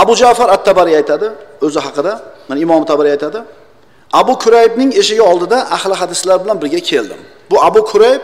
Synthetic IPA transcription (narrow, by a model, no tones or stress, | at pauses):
abʊd͡ʒafaɾat̪ʰːabaɾijajt̪ʰad̪ɪɵzɪɦɑqɨd̪amanaɪmɒmɪt̪ʰabaɾjajt̪ʰad̪ɪ | abʊkʰʊɾajɪbnɪŋe̞ʃɪɡʲaɒlˠd̪ɪd̪aʔahlɪɦad̪ɪslaɾbɪlanbɪɾɡʲakʲʰe̞ld̪ɪ̰m | bʊabʊkʰʊɾajɪp